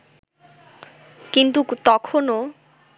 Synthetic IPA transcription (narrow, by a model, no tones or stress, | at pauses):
kint̪ut̪ɔkʰono